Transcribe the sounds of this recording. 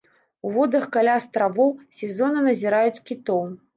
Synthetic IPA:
uvɔd̪ɐxkalʲast̪ɾavɔwsʲɛzɔnɨnɐzʲiɾajut͡sʲkʲit̪ɔw

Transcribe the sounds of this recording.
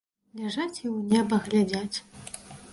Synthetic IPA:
lʲɛʐat͡sʲiwnʲɛbɐɣlʲad͡zʲat͡sʲ

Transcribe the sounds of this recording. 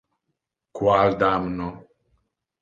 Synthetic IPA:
kwald̪amnɔ

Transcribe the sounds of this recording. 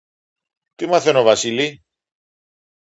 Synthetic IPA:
t̪imɐθenovɐsili

